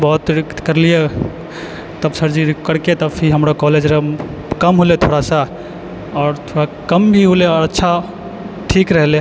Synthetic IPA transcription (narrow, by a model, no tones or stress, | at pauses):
bɔɦut̪ɾkt̪kəɾlije | t̪əbsəɾd͡ʒikəɽket̪əpʰiɦəmɾakɔled͡ʒɾə | kəmɦolet̪ʰoɽasə | ɔːɾt̪ʰoɽakəmbʱiɦoleɔɾətːʃʰa | ʈʰikɾəɦle